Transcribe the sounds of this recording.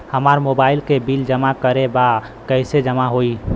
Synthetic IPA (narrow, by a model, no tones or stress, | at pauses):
həmaɾmobailkebild͡ʒəmakəɾeba | kəɪsed͡ʒəmaɦoi